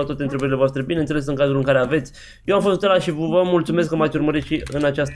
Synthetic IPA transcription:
at̪at̪eɨnt̪ɾe̞bəɾile̞voast̪ɾe̞binenele̞s̬ɨnŋkazulɨŋkaɾe̞ave̞t̪sʲ | jewamfo̞st̪t̪elaʃivvəmult̪sume̞s̬kːəmat̪sʲurməɾit̪ʃiɨnat͡ʃast̪

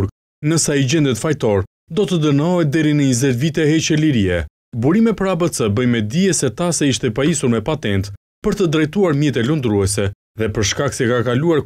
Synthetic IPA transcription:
ɾ | nəsaid͡ʑɛnd̪ɛt̪fajt̪ɔɾ | d̪ɔt̪əd̪ənɔɦɛt̪̚d̪ɛɾinəizɛtvit̪ɛhɛt͡ʃɛliɾiɛ | buɾimɛpəɾabət͡səbəjmɛd̪iɛsɛt̪asɛiʃt̪ɛpaisuɾmɛpat̪ɛnt̪ | pəɾt̪əd̪ɾɛjt̪uaɾmjɛt̪ɛlund̪ɾuɛsɛ | ðɛpəɾʃkaksɛkakaluaɾ

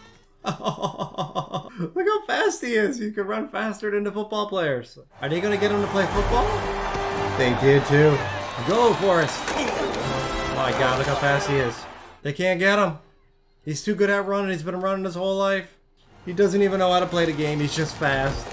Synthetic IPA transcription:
o | lɨkəfæstiɪz̥izkɨd̚ɹʌ̃nfæstə˞ɾɪ̃ntufʊt̚b̥ɔlˠpʰl̥eɪə˞z̥ʔə˞ðeɪɡʌ̃nɨɡɛɾ̚ə̃m̩təpʰl̥eɪfʊt̚b̥ɔlˠ | ðeɪdɪd̚tʰʉɡoʊfɔɹɨs | aɪɡɑdlɨkəfæstiɪzðeɪkʰæ̃nɡ̥ɛɾə̃m | hiz̥tʰʉɡʊɾɨt̚ɹʌ̃nɨ̃nizbɨ̃nɹʌ̃nɨ̃n̩ɨz̥hoʊlaɪf | hidʌzɨ̃ntivɨ̃nːoʊhaʊɾəpl̥eɪðɨɡẽɪ̃mizd͡ʒʌstfæst̚

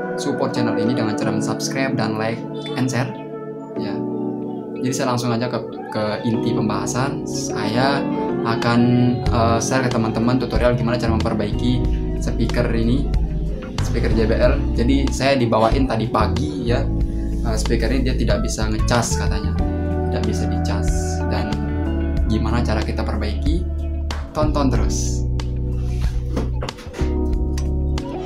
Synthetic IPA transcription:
supɔrt̪̚t͡ʃɛnəlinidəŋant͡ʃaɾəmənsapskɾap̚danlaɪk̚ | ɛnsɛr | ja | d͡ʒadisajalaŋsʊŋad͡ʒakə | kəint̪ipəmbaɦa̰sansajaʔːkanəsɛrkət̪əmant̪əmant̪ut̪oɾialɡimanat͡ʃaɾaməmpərbaiki | səpikərini | sə̥pikərd͡ʒebeʔɛrd͡ʒadisajadibawaʔɪnt̪adipaɡi | ja | əːsə̥pikəɾinidiat̪idaʔ̚bisaŋət͡ʃaskat̪aɲa | t̪idaʔbisabit͡ʃas | dan | ɡimanat͡ʃaɾakit̪apərbaiki | t̪ɔnt̪ɔnt̪əɾʊs

